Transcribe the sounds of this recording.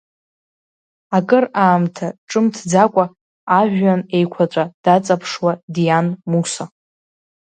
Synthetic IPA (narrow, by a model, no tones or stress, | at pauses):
akʼɨraːmtʰaʈ͡ʂʼɨmtʰd͡zakʷʼa | aʒᶣane̞jkʷʰat͡sʷʼad̥at͡sʼapʰʂwadijanmusa